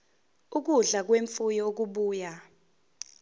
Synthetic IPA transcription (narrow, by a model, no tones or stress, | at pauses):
uk̬uɮak̬weɱfujɔok̬uɓuːja